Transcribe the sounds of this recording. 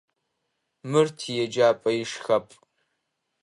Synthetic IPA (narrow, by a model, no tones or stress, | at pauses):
mɨrtʰijɛd͡ʒaːpʼɐjɪʂxɐpʼ